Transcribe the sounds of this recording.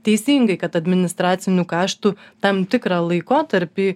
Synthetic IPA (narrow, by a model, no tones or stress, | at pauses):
t̪ʲɛɪsʲiːŋɡɐɪkɐt̪ɐd̪ʲmʲɪnʲɪst̪ɾɑːt̪sʲɪnʲuːkɑːʃt̪uːt̪ɐmt̪ʲɪkɾɑːlˠɐɪkoːt̪ɐɾʲpʲiː